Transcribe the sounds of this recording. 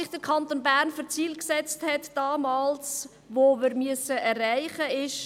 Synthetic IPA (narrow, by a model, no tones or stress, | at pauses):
ɪχd̥əɾkʰɑntoːnbæɾnføɾt͡siːlksɛt͡sthɛtd̥ɑːmɑːls | ʋoːʋɪːɾmyəsəʔɛrːæɪχəɪʃ